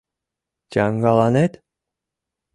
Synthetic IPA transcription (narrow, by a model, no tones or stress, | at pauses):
d͡ʒɑŋɡɑlˠɑnet̪